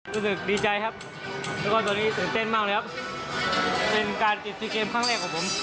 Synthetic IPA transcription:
ɾuː˦˥sɯ˨˩k̚diː˧t͡ɕa˧jkʰp̚ | lɛː˦˥˩kwaː˥˩t̪̬ɔː˧niː˦˥˩t̪eː˨˩nt̪e˥˩nmaː˥˩klɤː˧kʰa˦˥p̚ | pe˧nkaː˧nt͡ɕi˨˩t̪̚sʰiː˧keː˧mkʰa˥˩ŋɾɛː˥˩k̚ʰːaː˨˩˥pʰo˩˦m

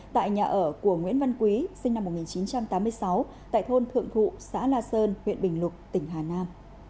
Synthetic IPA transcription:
t̪a̰ː˧˨jɲaː˨˩ʔəː˧˩ku˧˩əŋwḭ˧˥ənva˧nkwi˨˦sï˧ŋ̟na˧mːo˨˩ŋi˨˩nt͡ɕi˨˦nt͡ɕa˧mt̪aː˨˦mɨ˧əjsa˨˦w | t̪a̰ː˧˨jt̪ʰo˧nt̪ʰɨ̰˧˨əŋt̪ʰṵ˧˨sa̰ː˧˥laː˧səː˧nhwḭ˧˨ənɓï˨˩ŋ̟lʊ˨˩t̚t̪ï˧˩ŋ̟ɦaː˨˩naː˧m

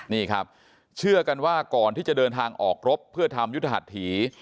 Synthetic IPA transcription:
niː˥˩kʰa˦˥p̚ | t͡ɕʰɯ˥˩ɐka˧nwaː˥˩kɔː˨˩nt̪iː˥˩t͡ɕa˨˩dɤː˧nt̪ʰaː˧ŋʔɔː˨˩k̚ɾo˦˥pʰːɯ˥˩ɐt̪ʰa˧mjt̪ʰːa˧ɦa̰˨˩t̪̚ʰːiː˩˦

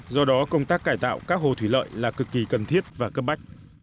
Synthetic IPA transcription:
zɔ˧ɗɔ˨˦kə˧wŋ͡mt̪aː˦˥k̚ːaː˧˩jt̪a̰ː˧˨wkaː˦˥k̚ho̰˨˩t̪ʰwi˧˩lə̰ː˧˨jlaː˨˩kɨ˨˩kːi˨˩kə˨˩nt̪ʰi˦˥ət̚vaː˨˩kə˦˥p̚ɓa˦˥jk̟̚

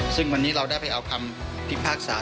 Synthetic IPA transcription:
sɯ˥˩ŋwa˧nːiː˦˥ɾa˧wda˥˩jpʰa˧jʔa˧wkʰa˧mpʰi˦˥pʰaː˥˩k̚saː˩˦

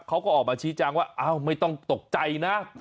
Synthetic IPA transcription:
kʰa˦˥wkɔː˥˩ɔː˨˩k̚maː˧t͡ɕʰiː˦˥t͡ɕaː˧ŋwaː˥˩ʔaː˦˧˩wma˥˩jt̪ɔ˥˩ŋt̪o˨˩k̚t͡ɕa˧jna˦˥

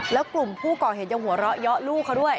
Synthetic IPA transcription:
lɛː˦˥wklu˨˩mpʰuː˥˩kɔː˨˩he˨˩˦nja˧ŋɦu˩˦ɐ˦ɾɔ˦˥ʔjɔ˦˥ʔluː˥˩kʰa˦˥wdu˥˩əj

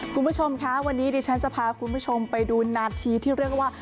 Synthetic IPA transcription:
kʰu˧mbʰu˦˥t͡ɕʰo˧mkʰa˦˥wa˧nːiː˦˥diː˧t͡ɕʰa˦˥nt͡ɕa˨pʰaː˧kʰu˧nbʰu˦˥˩t͡ɕʰo˧mpa˧jduː˧naː˧t̪ʰiː˧t̪ʰiː˥˩ɾi˥˩ək̚waː˥˩

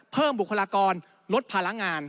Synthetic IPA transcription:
pʰɤː˥˩mbu˨˩kʰːa˧laː˧kɔː˧n | lo˦˥t̪̚pʰaː˧la˦˥ŋaː˧n

